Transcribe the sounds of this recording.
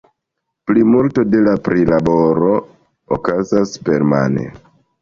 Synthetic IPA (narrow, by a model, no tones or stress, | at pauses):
plimulto̞de̞lapɾʔilabo̞ɾo | o̰kazaspe̞ɾma̰nḛ